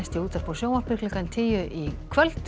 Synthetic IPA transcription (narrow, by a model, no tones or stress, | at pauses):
st̪ɪuːt̪aɾ̥pʰɔwsjowmar̥pɪklɪkant̪ʰiːjʏʔikʰvœl̥t̪